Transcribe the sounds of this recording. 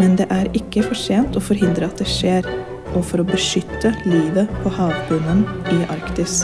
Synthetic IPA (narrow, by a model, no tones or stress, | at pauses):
mɛnd̪ɛʔæɾɪkːəfɔʂeːnt̪ɔfɔɾɦɪnd̪ɾəɑt̪̚d̪ɛʂeːɾ | ʔɔfɔɾɔbəʂʏt̪ːəliːʋəpʰɔhɑːʋbʉnənʔɪʔɑɾkt̪ɪs